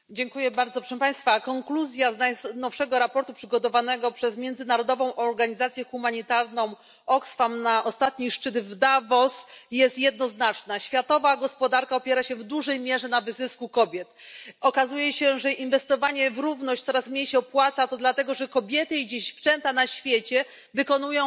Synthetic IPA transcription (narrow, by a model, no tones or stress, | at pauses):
d͡ʑɛŋkujɛbaɾd̪zɔpʂɛʂɛmpaj̃st̪fakɔŋkluzʲjaznajsnɔfʂɛɡɔɾapɔɾt̪upʂɘɡɔt̪ɔvanɛɡɔpʂɛzmʲjɛndzɘnaɾɔd̪ɔvɔ̃w̃ʔɔɾɡaɲizat̪sʲjɛxumaɲit̪aɾnɔ̃w̃ | ɔksfamnaʔɔst̪at̪ɲiʂt͡ʂɘd̪vd̪avɔsjɛst̪jɛd̪nɔznat͡ʂnaɕfʲjat̪ɔvaɡɔspɔd̪aɾkaɔpʲjɛɾaɕɛvd̪uʐɛjmʲjɛʐɛnavɘzɘskukɔbʲjɛt̪ɔkazujɛɕɛʐɛinvɛst̪ɔvaɲɛvɾuvnɔɕt͡ɕ̪ʲsɔɾasmɲejɕɛɔpwat̪sat̪ɔd̪lat̪ɛɡɔʐɛkɔbʲjɛt̪ɘid͡ʑeɕft͡ʂɛnt̪anaɕfʲjet͡ɕɛ | vɘkɔnujɔ̃w̃